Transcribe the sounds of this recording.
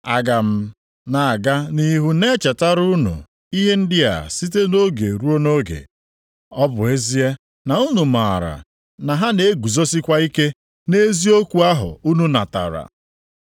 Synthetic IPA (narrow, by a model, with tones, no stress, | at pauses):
a˨ɡa˨m̩˦ | na˨a˨ɡa˦ni˦ɦu˦ne˦t͡ʃa˨ta˦ɾu˦nṵ˨ | i˦ɦe˦n̩˦dɪ˦a̰˨si˦t̬e˦no˦ɡḛ˨ɾu˦o˦no˦ɡḛ˨ | ɔ˦bʊ˨e˦zi˦e˦ | na˨u˦nu˨ma˨a˨ɾa̰˨ | na˨ɦa˦ne˨˦ɡu˨zo˦si˦kʷa˦i˦ke˦ | ne˦zi˦o˦kʷu˨a˦ɦʊ̰˨u˦nu˦na̰˨ta̰˨ɾa̰˨